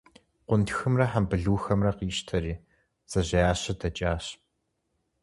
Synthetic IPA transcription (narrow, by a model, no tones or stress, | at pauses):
qʷʊntxɨmrɐħambɨɮuːxɐmrɐqiːʃtʰɐɾiː | z̥ɐʑɐjaːɕɐdɐt͡ʃʼaːɕp